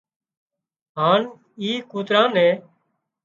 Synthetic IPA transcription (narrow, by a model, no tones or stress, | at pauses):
ɦaːn | iːkuːt̪ɾãːnɛ̃ː